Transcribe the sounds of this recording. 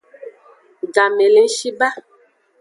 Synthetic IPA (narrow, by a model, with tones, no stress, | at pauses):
ɡa˨me˨le˨˦ŋ̩˦ʃi˦ba˦